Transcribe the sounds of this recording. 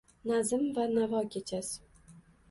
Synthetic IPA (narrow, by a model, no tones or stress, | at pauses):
nazɪmvanavɒkʲʰet͡ʃʰas